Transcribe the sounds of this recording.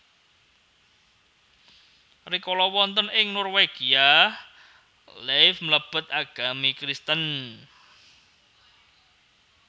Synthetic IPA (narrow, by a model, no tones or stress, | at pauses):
rikɔlɔwɔnt̪ɔnɪŋnɔrweɡ̥ia | lefmələb̥ə̤t̪̚aɡ̥a̤mikɾist̪ən